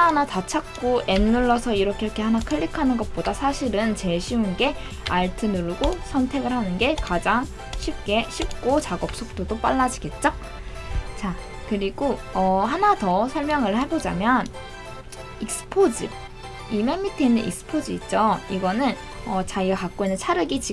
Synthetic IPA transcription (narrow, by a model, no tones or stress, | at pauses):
anatat͡ɕʰak̚k͈oʔe̞nːuɭːʌsʰʌiɾʌkʰekʰe̞hanakʰɯɭːikʰanɯnɡʌt̚p͈odasʰaɕʰiɾɯnt͡ɕe̞ɕʰiunɡe̞ | aɭtʰɯnuɭɡosʰʌntʰe̞ɡɯɭhanɯnɡe̞kad͡ʑaŋ | ɕʰip̚k͈e̞ɕʰip̚k͈ot͡ɕaɡʌp̚s͈ʰok̚t͈ʰodop͈aɭːad͡ʑiɡe̞t̚t͡ɕ͈ʌ | t͡ɕa | kɯɾiɡoʌɦanatʌsʰʌɭmjʌŋɯɭhabod͡ʑamjʌn | ik̚s͈ɯ̥pʰod͡ʑi | imemːitʰeinɯnʔḭk̚s͈ɯ̥pʰod͡ʑiit̚t͡ɕ͈ʌiɡʌnɯn | ʌt͡ɕaiwakak͈oinːɯnt͡ɕʰaɾɯɡit͡ɕi